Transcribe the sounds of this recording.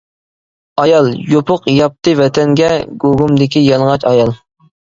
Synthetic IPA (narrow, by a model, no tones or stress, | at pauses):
ɑjɑlˠjopʰʊqjɑp̚t̪ɨvɛt̪ʰɛŋɡʲɛɡoɡumd̪ɪkʲijɑlˠʁɑt͡ʃɑjɑlˠ